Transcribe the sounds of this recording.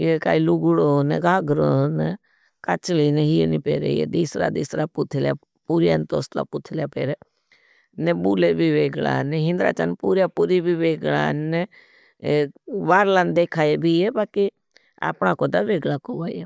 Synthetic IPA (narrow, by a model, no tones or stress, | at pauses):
eka̰ːilʊɡɽoːnɛɡaːɡɾonɛ | kət͡ʃliːneɦiːḛniːpeːɾḛḛd̪iːsɾa̰ːd̪iːsɾaːpʊt̪ʰljaː | puːɾjaːnt̪oːst̪a̰ːpʊt̪ʰljaːpeːɾeː | nebuːleːbʱiːʋeːɡla̰ːneɦɪ̃nd̪ɾa̰ːt͡ʃə̰npuːɾjaːpuːɾiːbʱiːʋeːɡla̰ːnː | ʋaːɾlaːnd̪eːkʰaːebʱiːeːbaːki | a̰ːpnãːkoːd̪aʋeːɡlaːkoːʋaːieː